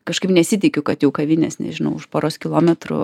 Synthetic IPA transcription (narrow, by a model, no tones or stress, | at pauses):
kɐʃkɐɪpnʲɛsʲɪt̪ʲɪkʲʊkɐt̪jɛʊkɐʋʲɪnʲɛ̰snʲɛ̰ʒʲɪnɐʊʊʃpoːɾoːskʲɪlˠoːmʲɛt̪ɾʊ̰